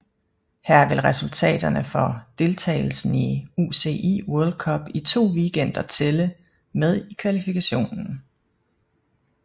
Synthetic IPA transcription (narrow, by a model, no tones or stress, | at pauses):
hæɐ̰ʋe̝lʁɛsult͡sʰɛ̰ːd̥ɐnəfɒd̥e̝lt͡sʰɛ̰ːɪl̩sn̩iuse̝̰ʔḭːwuɐld̥̚kʰɒ̽b̥it͡sʰo̝̰ːʋiɡ̥en̰d̥ɐt͡sʰelə | með̞ˠikʰʋælifikʰæɕo̝̰ːnn̩